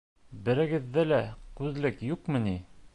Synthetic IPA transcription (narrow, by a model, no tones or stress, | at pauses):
bɘ̆ɾɘ̆ɡɘ̆ðːælækʉðlɘkjuqmɤ̆ni